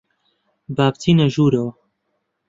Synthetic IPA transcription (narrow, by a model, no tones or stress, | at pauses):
baːbt̪ʰiːnɐʒuːɾɐwɐ